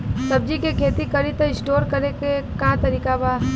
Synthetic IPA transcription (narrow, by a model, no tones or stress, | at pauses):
sɐb̚d͡ʒikekʰeːt̪ikɐɾit̪eɪsʈoːɾkɐɾekekãt̪ɐɾiːkabaː